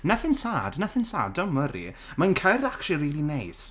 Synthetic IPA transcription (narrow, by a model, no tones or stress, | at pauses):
naθɪnsaːdnaθɪnsa̰ːdɔməɾḭ | mankʰərakʃiriːlˠinejs